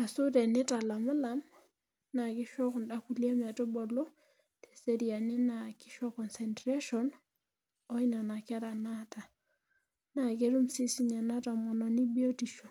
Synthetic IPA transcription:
a˨su˦tɛ˨nɪ˦ta˨la˨ma˦la˨m | na˨kɪ˦ʃɔ˦kʊ˨nda˦ku˨li˦ɛ˦mɛ˨tʊ˦bɔ˨lɔ˦ | tɛ̥˨se˦ɾi˨a˨nɪ˦na˨kɪ˦ʃɔ˦kɔ˨nsɛ˨ntɾe˦ʃɔ˦n | ɔ˦i˦na˨na˨ka˦ɾa˨na˦ta˨ | na˨ke˦ɾu˦msi˦si˦ɲa˨na˦ta˨mɔ˨nɔ˨ni˦bi˦o˦ti˨ʃo˨

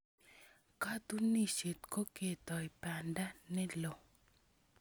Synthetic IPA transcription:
ka˦t̪u˦ni˦˨se˨t̪ko˦ke˨t̪ɔ˨i˨pa˨nda˦nɛ˦lo˨

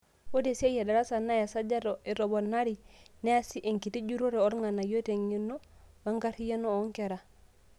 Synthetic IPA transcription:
wo˦de˨se˦je˨da˨ɾa˦sa˨nːa˦ja˨sa˦d͡ʒa˦ɾoʔe˨ɾo˨bo˨nːa˦ɾine˦a˦si˦ʔe˨ŋki˨ti˦d͡ʒu˦ɾo˦ɾe˨o˦ɾŋa˨nːa˨jo˦te˨ŋi˦nːo˦ba˦ŋɡa˦ɾi˦ja˦no˦o˦ŋke˨ɾa˨

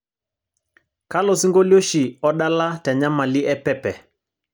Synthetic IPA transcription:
ka˦lɔ˨si˦ŋɡo˦ljo˦ʃi˨ɔ˦ɗa˦la˦tɛ˨ɲa˦ma˨li˦ʔɛ˦pɛ˦pɛ˨

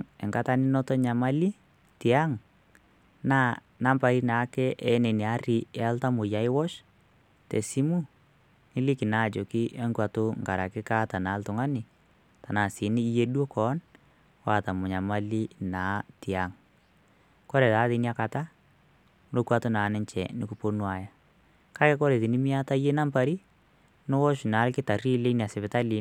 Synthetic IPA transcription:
ɛ˨ŋka˦ta˦nɪ˦nɔ˦tɔ˦ɲa˨ma˦li˦ | ti˨a˦ŋ | na˦ | na˦mpa˦ɾi˦na˨˦kɛ˦ʔɛ˨˦ne˨ni˨a˦ri˨ɛ˦a˦lta˦mʊ˨ja˨ɪ˦wɔ˦ʃ | te˨si˦mu˦ | nɪ˦li˦kɪ˨na˦˨d͡ʒo˨ki˦ʔɛ˦ŋkwa˨tʊ˦ŋka˨ɾa˨kɪ˦ka˦ta˨na˨˦ltʊ˨ŋa˦nɪ˨ | ta˨na˨sɪ˨˦ni˦je˦dwo˦kɔ˨˦n | wa˦˨ta˨mʊ˨ɲa˨ma˦li˦na˨˦ti˨a˨˦ŋ | kɔ˦ɾɛ˨taː˦ðɪ˨˦ni˦a˦ka˨ta˦ | no˦kwa˨tʊ˦naː˨˦nɪ˦ɲt͡ʃɛ̰˨nɪ˨ku˨po˦nwa˨ja˨ | ka˦kɛ˦kɔ˦ɾe˨ðɪ˨nɪ˦mi˦a˦ta˦je˦na˦mpa˨ɾi˦ | no˦wɔ˦ʃna˨˦lkɪ˦ta˨ri˦le˦ni˨a˨sɪ˨pɪ˨ta˦li˨˦

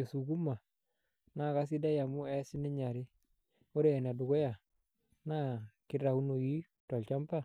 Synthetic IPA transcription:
e˨su˨ɡu˦ma˨ | na˦˨ka˦s̬i˦da˦ja˨mʊ˦ɛ˦sɪ˦nɪ˦ɲa˨ɾi˦ | o˦ɾeː˦˨na˨dʊ˨ɡɔ˦ja˨ | na˦kɪ˦ɾa˨u˦no˨ji˦ | tɔ˨lt͡ʃa˦mpa˦˨

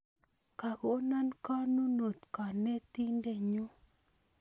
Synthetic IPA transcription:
ka˨ɣo˦na˦nka˦nu˦no˨t̪ka˨ne˦t̪i˦nde˦˨ɲu˦

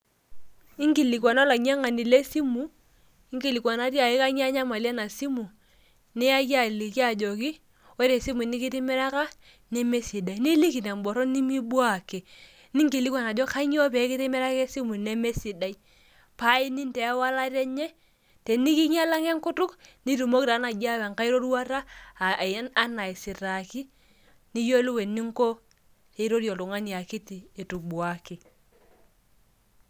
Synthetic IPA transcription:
i˦ŋki˨li˨kwa˨na˦la˨ɲ˦a˦ŋa˨ni˨le˦si˦mu˨ | i˦ŋki˨li˨kwa˨na˦ti˦a˨ɪ˦ka˦ɲ˦a˦ɲa˦ma˨li˦a˦na˨si˦mu˨ | ni˦a˦ki˦a˨li˨ki˦a˨d͡ʒɔ˨k̬i˦ | o˦ɾe˨si˦mu˨ni˦kɪ˦tɪ˦mɛ˦ɾa˦ka˦ | nɛ˦me˦si˨da˨i˨˦ni˦li˦ki˨na˨m˨bɔ˨ɾɔ˦ni˦mi˦bwa˨ke˨ | ni˦ŋki˨li˦kwa˨na˨d͡ʒɔ˦ka˦ɲ˦ɔ˦p̬ɛ˨˦kɪ˦tɪ˦mɛ˦ɾa˦kɛ˦si˦mu˨nɛ˦me˦si˨da˨i˦ | pa˦i˦ni˦ntɛ˨˦wa˦la˦ɾɛ˦ɲɛ˦ | te˨ni˦ki˦ɲa˦la˦ŋe˦ŋku˦tu˦kni˦tu˨mo˦kɾa˨˦na˨d͡ʒa˦wa˨ŋka˦i˦ɾo˦ɾu˦wa˦ɾa˦˨˦ | a˦na˨i˨si˨ɾa˨ki˦ | ni˦jo˦lu˦we˨nːi˦ŋ˦ko˦ | e˨˦ɾo˦ɾjo˨lu˨ŋa˦ni˨a˨ki˦tiː˨tu˨k̚bwa˨ki˨

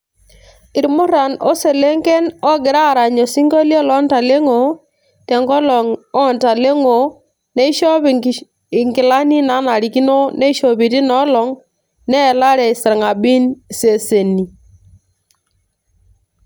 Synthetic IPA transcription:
ɪ˨ɾmʊ˦ɾa˨nɔ˦se˨le˦ŋkɛ˦nɔ˦ɡɪ˨ɾa˦˨ɾa˨ɲo˨si˦ŋɡo˦ljɔ˦lɔ˦nta˨le˦ŋo˨ | tɛ˨ŋɡɔ˦lɔ˨ŋɔ˦˨nta˨le˦ŋo˨ | nɛ˦i˦ʃɔ˦p | ɪ˨ŋɡɪ˨la˦ni˦na˨˦na˨ɾi˨ki˦no˦nɛ˦i˦ʃo˨pi˨ti˦nɔ˦lɔ˨˦ŋ | nɛ˦˨la˦ɾɛ˨sɛ˨ɾŋa˨ɓi˦n˨se˨se˨ni˨

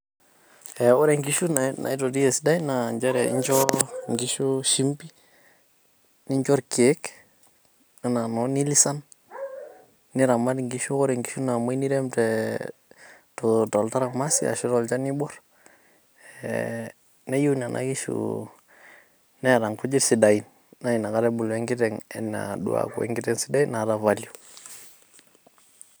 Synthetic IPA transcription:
ɛ˨ɔ˦ɾɛ˨ŋɡiʃu˦nana̰˨i˦to˨di˦ɛ˨sda˦jna˨ɲd͡ʒa˦ɾɛ˨ḭ˦ɲt͡ʃɔ˦ŋɡi˦ʃuʃi˦mpi˦ | ni˦ɲd͡ʒɔ˦ɾke˦k | ana˨nɔ˦ni˦li˦sa˦n | ni˦ɾa˨ma˦dŋɡi˦ʃu˦ɔ˦ɾɛ˨ŋɡi˦ʃu˦na˨ma˦i˦ni˦ɾɛ˦mtɛ | totɔ˨lta˦ɾa˨ma˦sḭ˦a̰˨ʃi˦ɾɔ˨lt͡ʃa˦ni˦bɔ˦ɾ | ne˦ju˦na˨nʔa̰˦ɡi˦ʃṵ | nɛ˦˨ɾa˨ŋku˦d͡ʒi˦ɾsi˨da˨i˨n | na˦i˨na˨ka˦ɾɛ˦bu˨lɛ˦ŋɡi˦tɛ˨ŋɛ̰˨na̰dṵ˦a̰˨kṵ˨wɛ̰˦ŋɡi˦tɛ˦ŋsi̥˦da˦i˦na˨da˨va˨lju˨

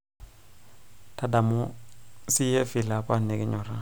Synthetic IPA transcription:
tada˨mosi˦je˦fi˨la˨pa˦ne˨ɡeɲoɾa

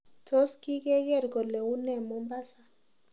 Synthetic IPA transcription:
tɔ˦ski˦kɛ˦kɛ˦˨ɾɡɔ˨lɛ˨u˦nɛ˨mu˦mba˦sa˨

